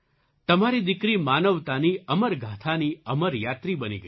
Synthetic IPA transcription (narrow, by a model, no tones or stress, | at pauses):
t̪əmaɾid̪ɪkɾimanəʋt̪aniəməɾɡʱat̪ʰaniəməɾjat̪ɾibənḭɡə